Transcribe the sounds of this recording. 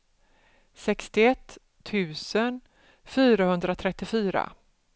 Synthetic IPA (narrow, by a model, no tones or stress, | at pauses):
sɛkst̪ɪɛt̪ʰː | ʉ̟ːsən | fyːɾahɵnd̪ɾat̪ʰɾɛt̪ːɪfyːɾa̰